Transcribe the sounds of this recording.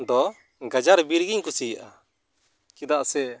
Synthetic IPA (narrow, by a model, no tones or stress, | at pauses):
d̪ɔ | ɡad͡ʒaɾbiɾɡiɲkusijʔa | kid̪aʔsɛ